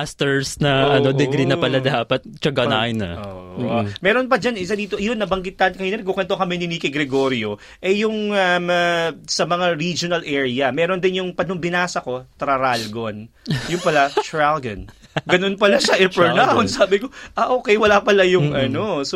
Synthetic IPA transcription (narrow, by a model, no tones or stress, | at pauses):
ast̪ɛɹsnɐʔɐnod̪ɛɡɾinɐpɐlad̪aːpɐt̪̚t͡ʃɐɡaa̰ɪnɐ̰ʔo̰ʔomɛːɾo̞np̬ɐd͡ʒanʔɪsad̪iːt̪o̞ʔɐjonːɐbɐŋɡɪt̪̚ːɐnkɐjnɛnkʊkɛnt̪okɐmɛnɪnikɪɡɾɛɡo̞ːɾjo̞ | ʔɛjʊŋɐmsɐmɐŋaɾid͡ʒonɐlʔɛːɹɪɐmɛːɾo̞nd̪ɪnjʊŋpɐnoŋbɪnaːsɐko̞t̪ɾɐɾalɡo̞njʊnpɐlaʃɹalɡɐn | ɡɐno̞npɐlaʃɐʔɛɛɹnaonsaːbɪko̞ʔɐʔoːkɛjwɐlapɐlɐjʊŋʔɐnos